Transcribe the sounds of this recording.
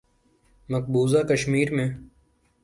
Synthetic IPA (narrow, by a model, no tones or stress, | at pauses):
mək̚buːzakəʃmiːɾmẽː